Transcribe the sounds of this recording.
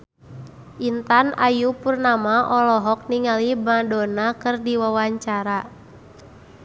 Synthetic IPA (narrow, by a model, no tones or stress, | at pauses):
ʔint̪anajupurnamaʔɔlɔɦɔk̚niŋalibadɔnakɨrdiwawaɲt͡ʃaɾa